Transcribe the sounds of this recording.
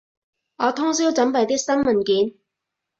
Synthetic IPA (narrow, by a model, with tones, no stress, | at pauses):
ɔː˨˧˥t̪ʰʊ˥ŋs̬iː˥wt͡sɐ˨˥mpɐ˨˩jt̪̬i˥k̚sɐ˥mmɐ˨nkiː˨˥n